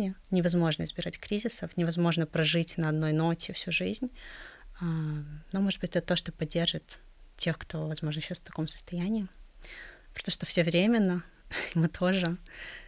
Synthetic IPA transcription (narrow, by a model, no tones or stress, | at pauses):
ɪɪnʲɪvɐzmo̞ʐnəɪzbʲɪɾatʲkɾʲizʲɪsəfnʲɪvɐzmo̞ʐnəpɾɐʐɨtʲnɐɐd̪no̞jno̞tʲɪfsʲuʐɨzʲnʲ | anomoʐɨd̪bɨtʲɛt̪ət̪oʂt̪opɐdʲːe̞rʐɨt̪ | tʲːe̞xkt̪o̞vɐzmo̞ʐnɕːasft̪ɐko̞msə̥st̪ɐjænʲɪɪ | pɾʲt̪oʂt̪ofsʲɪvɾʲemʲɪnːəmɨt̪ʰo̞ʐɨ